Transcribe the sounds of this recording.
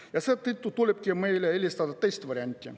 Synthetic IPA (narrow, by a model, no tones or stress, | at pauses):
jɑset̪it̪ːut̪ulʲep̚kʲimejleelʲist̪ɑd̪ɑt̪ejst̪ʋɑɾʲɑnʲt̪ʲːḭ